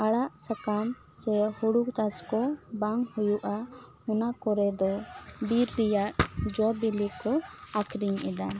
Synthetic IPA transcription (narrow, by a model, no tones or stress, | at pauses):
aɽaʔsakam | sɛhuɽuk̚t̪askɔbaŋhujuʔa | hunakɔɾɛd̪ɔbiɾːijaʔd͡ʒɔbilikɔakʰɾiɲɛd̪a